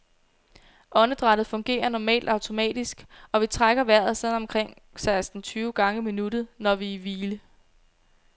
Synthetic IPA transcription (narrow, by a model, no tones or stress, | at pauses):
ʔɒ̽nəd̥ʁɑ̈ɾ̥ð̩ˠfɔ̽ŋɡ̥e̝̰ːɐnɒmɛ̰ːld̥ɑ̈ʊt͡sʰo̝mɛ̰ːd̥isɡ̥ɒ̽ʋit͡sʰʁaɡ̥ɐʋæɐ̰ð̩ˠsɒð̰ˠnɒ̽mkʰʁeŋ̰ | sɑ̈ɪsd̥n̩t͡sʰyːʊɡ̥ɑ̈ŋəiminud̥ð̩ˠnɒʋiːʋiːlə